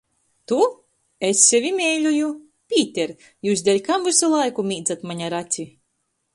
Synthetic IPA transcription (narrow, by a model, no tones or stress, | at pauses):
t̪u | esʲːɛvʲimʲɛjlʲuju | pʲiːt̪ʲɛɾ | juːsd̪ʲɛlʲkamvɨsulˠajkumʲiːd̪zat̪maɲʲaɾat̪sʲi